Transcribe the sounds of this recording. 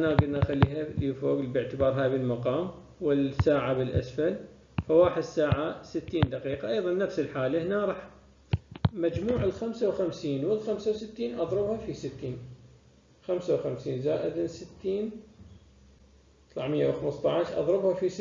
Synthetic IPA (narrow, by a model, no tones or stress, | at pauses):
ʔanaɡɪd̪naʔxalːiːɦalifoːɡbɪʕt̪ɪbɑːɾˤɦaːbɪlmɑqɑːm | wɪlsaːʕabɪlʔa̰sfal | fawaːħɪd̪saːʕasɪt̪ːiːnd̪aqiːqɑʔɑjðˤɑnːafsɪlħaːlahnaɾˤɑħ | mad͡ʒmuːʕɪlxamsawxamsiːnwɪlxamsawsɪt̪ːiːnʔɑðˤɾɨbhafisɪt̪ːiːn | xamsawxamsiːnzaːʔɪd̪sɪt̪ːiːn | t̪ˤlaʕmɪjːawxamɨst̪ˤɑʕʃʔɑ̰ðˤɾɨbhafis